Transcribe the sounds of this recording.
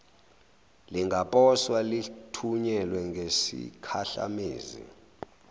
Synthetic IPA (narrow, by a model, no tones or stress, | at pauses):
liŋɡʱapʼɔswalitʰuɲɛlwɛŋɡʱesḭkʰaɬa̰mḛːzḭ